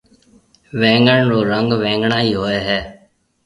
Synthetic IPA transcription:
ʋẽːŋɡəɳɾoːɾəŋɡʋɛ̃ːŋɡɳaːiːɦoːeːɦɛː

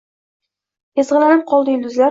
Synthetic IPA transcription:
ezʁɨlanɪp̚qʰɒlˠd̪ɪjʊld̪ʊzla

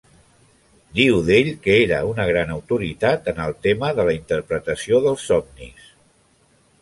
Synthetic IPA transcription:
d̪iwðeʎkəeɾəunəɣ̞ɾanəwt̪uɾit̪at̪ənəlˠt̪eməðələint̪əɾpɾət̪əsioðəlˠsːɔmnḭs

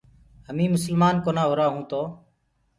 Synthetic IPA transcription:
ɦəmĩːmʊsəlmaːnkoːnãːɦoːɾaːɦũːt̪oː

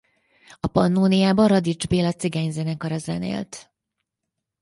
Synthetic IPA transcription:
ɒpɒnːuːnijaːbɒɾɒd̪id͡ʒbeːlɒt̪siɡɛɲzɛnɛkɒɾɒzɛ̰nḛːlt̪

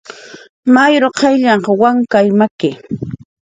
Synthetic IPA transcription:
majɾoqʰɑjʎɑɴqɑwaŋkajmakɪ

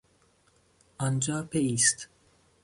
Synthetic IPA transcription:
ɒnd͡ʒɒːpeiːst̪

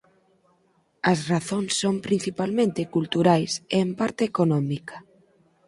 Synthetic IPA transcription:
ɐsraθonsːompɾin̟θipalmẽnt̪ekult̪uɾajsempaɾt̪eːkonɔmikḁ

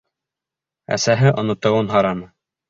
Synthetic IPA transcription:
æ̰sæɦɘʔŏnŏt̪ɤ̆wɤnɦɑɾɑnɤ

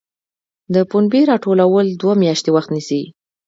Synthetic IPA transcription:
d̪əpunbeɾɑʈolawəld̪wamjɑʃt̪ewaxt̪nisi

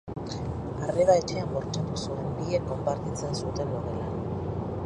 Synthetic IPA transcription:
areðaet͡ʃeamboɾt͡ʃat̪usuembiekːo̞mpaɾt̪it͡sensut̪e̞noðela

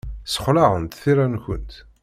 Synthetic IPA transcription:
sə̥χlaʁənt̪θiɾænkə̰nt̪

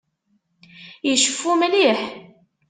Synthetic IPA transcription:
jəʃəfːumliħ

